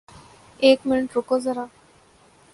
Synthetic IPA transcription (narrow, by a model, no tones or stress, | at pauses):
eːkmɪnʈɾokod͡zəɾa